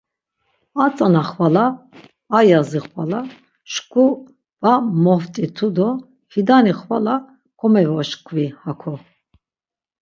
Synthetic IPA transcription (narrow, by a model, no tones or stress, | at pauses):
at͡sʼanaχvalaː | jaziχvala | ʃkʰʼu | vamɔft̪ʼit̪ʰud̪ɔ | hid̪aniχvala | kʰɔmɛvɔʃkʰʼvihakʰɔ